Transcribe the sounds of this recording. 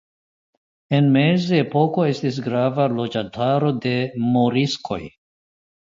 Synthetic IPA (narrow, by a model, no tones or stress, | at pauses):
e̞nme̞zeepo̞ko̞e̞stis̬ɡɾavalo̞d͡ʒantʰaɾo̞de̞moɾiskʰo̞̰j